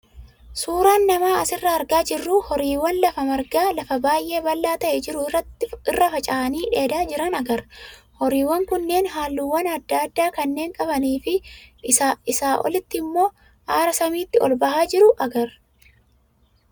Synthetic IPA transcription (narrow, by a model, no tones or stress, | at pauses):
suːɾaːnːɐmaːɐsɪrːɐːɾɡaːd͡ʒɪrːuhɔɾiːwɐnlɐfɐmɐɾɡaːlɐfɐbaːjʔe̞ːbɐlːaːt̪ɐʔɛd͡ʒɪɾʊɐɪrːɐfɐt͡ʃʼɐːɐniːᶑe̞ːd̪aːd͡ʒɪɾɐnɐɡɐɾhɔɾiːwːɐŋkʊnːe̞ːnɦaːlːuwːɐnɐd̪ːad̪ːaːkɐnːeːŋkʼɐbɐniːfɪ | ɪsaːʔɔ̰lɪt̪ːɪmːo̞ː | ʔaːɾɐsɐmiːt̪ːɪɔlbɐhaːd͡ʒɪɾʊʔɐɡɐɾ